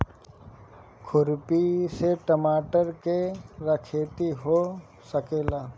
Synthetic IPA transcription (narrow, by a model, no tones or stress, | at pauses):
kʰʊɾpiseʈəmaːʈəɾkeɾɐkʰeːt̪iɦo | səkeːlaː